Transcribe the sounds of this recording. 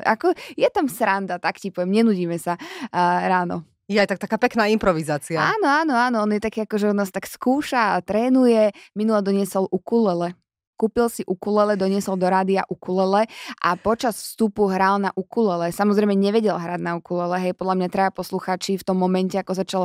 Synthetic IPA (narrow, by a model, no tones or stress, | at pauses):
a̰kɔjɛt̪amsɾand̪at̪akcipɔʋjɛmɲɛnuɟiːmɛsa | ɾaːnɔ̰ | jɛajt̪ak̚t̪akaːpɛknaːimpɾɔʋizaːt͡siaaːnɔaːnɔaːnɔɔnjɛt̪akiːakɔʒɛɔnnaːst̪akskuːʃat̪ɾɛːnujɛminulɛd̪ɔɲɪɛsɔlʔukulɛlɛ | kuːpilsiʔukulɛlɛd̪ɔɲɪɛsɔld̪ɔɾaːd̪iaʔukulɛlɛʔapɔt͡ʃasfst̪upuɦɾalnaʔukulɛlɛsamɔzɾɛɪmɛɲɛʋɛɟɛlɦɾaɟ̪naukulɛlɛɦɛjpɔd̪ʎamɲat̪ɾajapɔsluxaːt͡ʃift̪ɔmːɔmɛncɛakɔzat͡ʃal